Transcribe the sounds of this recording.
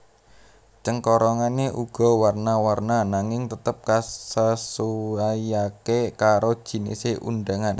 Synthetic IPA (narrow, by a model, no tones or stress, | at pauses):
t͡ʃəŋkɔɾɔŋaneʔuɡ̥ɔ̤warnawarnanaŋɪŋt̪ət̪əp̚kasəsuajakekaɾod̥ʒ̥i̤nḭseʔṵnɖaŋan